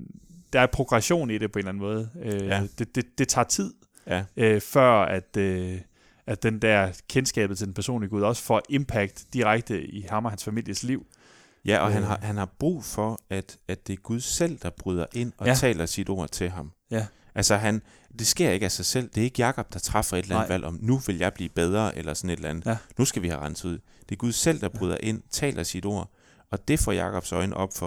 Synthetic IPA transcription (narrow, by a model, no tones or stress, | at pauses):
d̥ɑ̈æɐpʰʁo̝ɡ̥ʁɑɕo̝̰ːniɾ̥e̝pʰɒe̝nlæn̩mɔ̽ːð̞̩ˠød̥e̝d̥e̝d̥e̝t͡sʰɑ̰̈ːt͡sʰið̞̰ˠ | øfɶɐ̰æd̥ø | æd̥end̥æɐkʰensɡ̥ɛ̰ːb̥ð̩ˠt͡sʰe̝d̥enpʰæɐso̝̰ːnliɡuðˠɒ̽sə̥fɒ̰ʔe̝mpʰæɡ̥d̥d̥iʁaɡ̥̚d̥əihɑ̈mɒ̽ɦænsfæmil̰jəsliʊ̰ | jæʔɒ̽ɦænɦɑhænhɑ̈b̥ʁṵːfɒ̽æd̥æd̥d̥e̝ɐɡ̥uð̞ˠsel̰d̥ɑ̈b̥ʁyð̞ˠɐʔe̝n̰ɒ̽t͡sʰɛ̰ːlɐsid̥o̝ɐ̰t͡sʰe̝lɦɑ̈m | ʔælsɒɦæn | d̥e̝sɡ̥e̝ɐ̰e̝ɡ̥æsɑ̈ɪsel̰d̥e̝æɐe̝ɡ̥əjɑ̈kʰɒ̽b̥̚d̥ɑ̈t͡sʰʁɑ̈fɐe̝d̥lænnʋælʔɒ̽mnuʋe̝ljɑ̈ɪb̥lḭːb̥eð̞ˠʁɐʔelɐsɒ̽ne̝d̥elænð̥nusɡ̥æʋihæʁɑ̈nsuð̰ˠ | d̥e̝ɐɡ̥uðˠsel̰d̥ɑ̈b̥ʁyð̞ˠɐʔe̝n̰t͡sʰɛ̰ːlʔɐsid̥o̝̰ɐ̰ | ɒ̽d̥e̝fɒ̰ːjɑ̈ːkʰɒ̽b̥sɒ̽ɪnəʔɒ̽b̥fɒ̽